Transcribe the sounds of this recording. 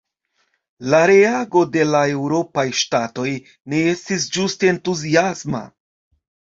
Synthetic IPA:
laɾe̞aɡo̞de̞lae̞wɾo̞pajʃtato̞j | ne̞e̞stis̬d͡ʒusteːntuziasma̰

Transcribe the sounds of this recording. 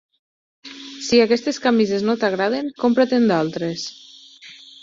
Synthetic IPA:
siakɛst̪eskamizeznot̪aɣɾaðeŋkompɾat̪end̪alˠt̪ɾes

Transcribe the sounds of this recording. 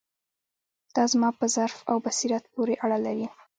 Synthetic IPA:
d̪̥ɑzmɑpəzaɾfa̰wbasiɾat̪̚poɾeʔaɽalawi

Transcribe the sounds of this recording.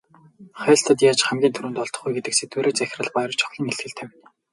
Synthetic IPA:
χæːɬt̪ʰə̆t̪jaːt͡ɕχæmɡʲiːnt̪ʰɵɾŭːnt̪ɔɮt̪ɞ̆χɡujɡet̪ɘ̆kset̪uɾeːt͡sæx̆ʲrə̆ɮpajɾr̆t͡ɕʰɔ̥xɮʲĭŋeɬt̪xɘ̆ɮt̪ʰæw̪

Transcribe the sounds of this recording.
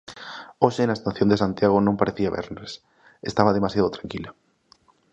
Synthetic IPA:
oʃenaest̪aθjond̪esant̪jaɣ̞onõmpaɾeθiaβɛ̰ɾnes | est̪aβaðemasjaðot̪ɾaŋkila

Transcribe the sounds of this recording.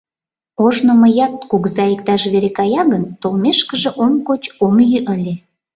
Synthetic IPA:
oʒnoməjɑt̪̚kuɣzɑikt̪ɑʃβeɾekɑjɑɣənt̪olmeʃkəʒĕʔomkot͡ɕomjyʔəlʲe

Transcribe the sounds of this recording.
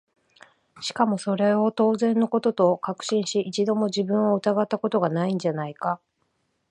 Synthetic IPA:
ɕi̥kamo̞so̞ɾe̞o̞t̪o̞ːzẽ̞nːo̞ko̞t̪o̞t̪o̞kakɯ̟̥ɕĩɰ̃ɕiʔit͡ɕid̪o̞mo̞ʑibɯ̟̃ɰ̃oɯ̟t̪aɡat̪ːako̞t̪o̞ɡanaĩɲ̟d͡ʑanaika

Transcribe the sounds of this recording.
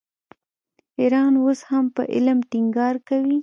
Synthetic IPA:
iɾɑnwoshampə̰ʔɪ̰lmʈɪŋɡɑɾkawi

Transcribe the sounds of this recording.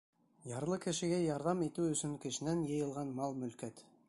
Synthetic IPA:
jɑɾlˠɤkɘ̆ʃɘ̆ɡæjɑɾðɑmit̪ʉɵ̆sɵŋkɘ̆ʃɘ̆nænjɤ̆jɤ̆lˠʁɑnmɑlˠmɵ̆lkæt̪

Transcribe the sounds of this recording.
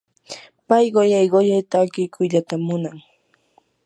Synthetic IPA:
pajɢojajɢojajt̪aːkɪjkʰʊjʎat̪amːʊnaŋ

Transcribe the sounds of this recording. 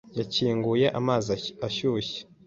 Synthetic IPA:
jaciːŋɡujeʔamaːziaʃuçe̥

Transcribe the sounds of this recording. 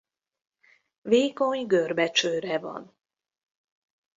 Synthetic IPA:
veːko̞ɲɡørbɛt͡ʃøːɾɛvɒ̰n

